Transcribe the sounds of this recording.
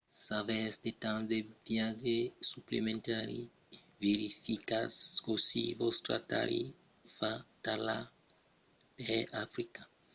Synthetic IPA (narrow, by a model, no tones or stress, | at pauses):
savɛsd̪et̪ãsd̪evjaʒesuplemẽnt̪aɾḭ | veɾifikaskosivost̪ɾa̰t̪a̰ɾḭ | fat̪ala | pɛafɾika